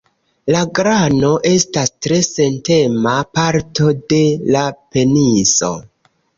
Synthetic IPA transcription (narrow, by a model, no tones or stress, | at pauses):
laɡɾano̞ʔe̞stastɾe̞se̞nte̞mapaɾto̞de̞lape̞niso̞̰